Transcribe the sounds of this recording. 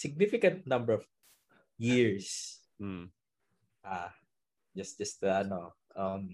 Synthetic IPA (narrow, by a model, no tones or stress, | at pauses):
sɪɡ̚nɪfɪkɐ̃nt̪̚nʌ̃mbɛɹɔv | jiɹs̩ | ʔa | d͡ʒɐst̪d͡ʒɐst̪ɐno | ʔʌm